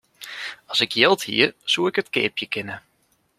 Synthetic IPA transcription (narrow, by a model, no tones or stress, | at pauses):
ɑsɪkʰjɪlˠthḭəsuɪkətkɪ̰ːpjəkɪnə